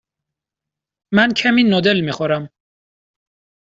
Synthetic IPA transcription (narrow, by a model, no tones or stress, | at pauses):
mæncʰæmiːnod̪elmiːxoɾæm